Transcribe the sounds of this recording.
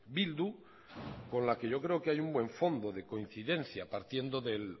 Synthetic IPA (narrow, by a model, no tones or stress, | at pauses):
bild̪u | kõ̞nlakeʝo̞kɾe̞okeajumbwe̞ɱfo̞nd̪oðe̞ko̞in̟θiðe̞n̟θjapaɾt̪je̞nd̪oðe̞l